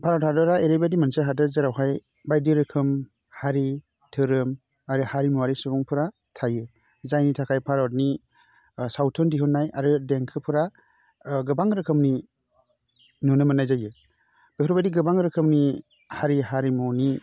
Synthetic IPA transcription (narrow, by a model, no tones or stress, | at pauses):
pʰaɾawthadɯɾaeɾebadimanseɦadɯzɯɾawɦaj | bajdiɾɯkʰɯm | haɾi | tʰɯɾɯm | aɾɯhaɾimuaɾisubuŋpʰɯɾa | tʰajɯ | zajnitʰakʰajpʰaɾawt̚ni | sawtʰɔndiɦɯnːajaɾɯdeŋkʰɯpʰɯɾa | ɡɯbaŋɾɯkʰɯmni | nunɯmanːajzajɯ | b̥eɔɾbadiɡɯbaŋɾɯkʰɯmni | haɾiɦaɾimuni